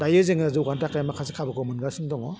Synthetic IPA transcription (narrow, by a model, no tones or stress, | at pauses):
dajɯzeŋɯzɯɡantakajamakʰasikʰabɯkʰɔmɯnɡasɯndɔŋɔ